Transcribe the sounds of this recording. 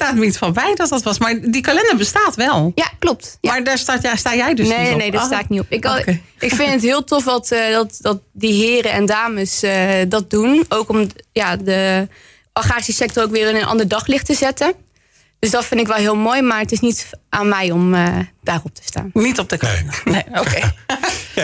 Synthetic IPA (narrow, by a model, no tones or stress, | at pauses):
taːtməitfɔbɛjdɑt̚dɑtʋɑsmaːɹdikalɛndabəstaːtʋɛlˠjaklɔp̚tmaaːɹdaːɹstajstaːjɛjdənenejdaːsttaːɪk̚niɔpɪk | ɪkfɪndətɦɪːlˠtɔfdɑtdɑtdɑt̚diɦɪːɾəɛndaːməsədɑt̚dunowkɔmjadə | ʔɔχaːisəsɛk̚tɔrowkʋɪːrɪnənʔɑ̰ndəɹdɑχlɪχtəzɛtə | d̥ɵsdɔtfɪndɪkʋɛlˠɦɪːlˠmoːjmaːɹətɪsnitʔaːnmɛjɔməd̥aːrɔp̚tʰə̥sta̰ːnnitɔp̚dəkalɛ̰nəeoke | a